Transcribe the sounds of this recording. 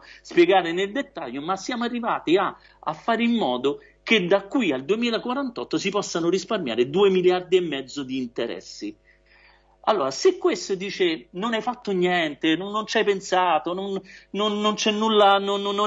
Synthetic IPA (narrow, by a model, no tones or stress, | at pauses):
spjɛɡaːɾeneld̪et̪ːaʎːomasːjaːmoarːivaːt̪ia | a̰fːaːɾeimːɔːd̪o | ked̪akːwiald̪uemiːlakwaɾant̪ɔt̪ːosipɔsːanoɾisparmja̰ːɾed̪uːemiljard̪iɛmːɛd̪zːod̪iːnt̪eɾɛ̰sːi | a̰lːoːɾasekːwest̪od̪iːt͡ʃenonajfat̪ːonjɛnt̪enonːont͡ʃajpensaːt̪ononnonːont͡ʃɛnːulːanonːonː